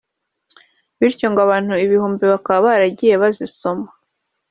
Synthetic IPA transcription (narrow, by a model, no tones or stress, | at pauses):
βiɾcoŋɡaβaːn̥uiβihuːmbiβakaβaβaɾaɟije̞βaziso̞mḁ